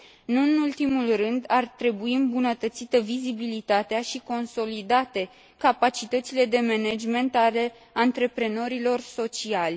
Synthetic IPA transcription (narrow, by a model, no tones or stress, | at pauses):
nuɨnult̪imulrɨnd̪art̪ɾe̞buiɨmbunət̪ət̪sit̪əvizibilit̪at̪eaʃiko̞nso̞lid̪at̪e̞ | kapat͡ʃit̪ət̪sile̞d̪e̞mened͡ʒme̞nt̪ale̞ | ant̪ɾe̞pɾe̞no̞ɾilo̞rso̞t͡ʃialʲ